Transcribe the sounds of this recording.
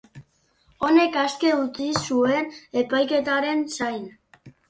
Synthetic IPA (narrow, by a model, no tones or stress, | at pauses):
o̞ne̞kaske̞ut͡sisue̞ne̞pajke̞t̪aɾe̞nsajn